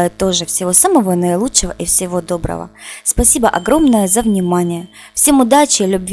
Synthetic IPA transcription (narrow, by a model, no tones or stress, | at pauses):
ɪt̪ːo̞ʐɨfsʲɪvo̞saməvonəɪlˠutʂɨvəʔifsʲɪvo̞d̪o̞bɾə̰və̰spɐsʲibəʔɐɡɾo̞mnəjəzəvnʲɪmanʲɪjə | fsʲe̞mʊd̪at͡ɕɪlʲʉbvʲ